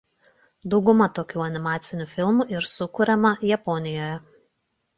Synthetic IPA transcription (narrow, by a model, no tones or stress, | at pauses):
d̪ɒʊɡʊmɐt̪oːkʲuːɐnʲɪmɑːt̪sʲɪnʲuːfʲɪlˠmuˑʔɪɾsʊkʊɾʲɛmɐjɛpɔnʲɪjoːjɛ